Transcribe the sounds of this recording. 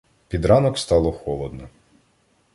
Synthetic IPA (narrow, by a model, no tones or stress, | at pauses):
pʲid̪ɾɑnɔkst̪ɑlˠɔxɔlˠɔd̪nɔ